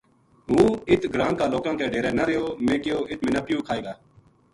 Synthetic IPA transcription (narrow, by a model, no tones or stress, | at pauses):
ɦũːɪt̪ʰɡɾãːŋkaːloːkãːk̪eːɖʱeːɾɛːnaɾeːoːmẽːkɪoːʔɪt̪ʰmɪnaːpɪjũːkʰaːeːɡaː